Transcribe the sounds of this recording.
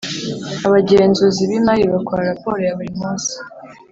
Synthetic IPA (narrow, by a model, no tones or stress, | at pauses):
aβaɟeːnzuziβimajiβakwaɾaɾapo̞ɾojaβuɾimuːnzi̥